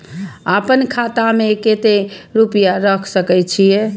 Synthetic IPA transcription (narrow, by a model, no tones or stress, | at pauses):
apənkʰat̪ameket̪eɾupjaɾəkʰsəkɛt͡ʃʰijɛ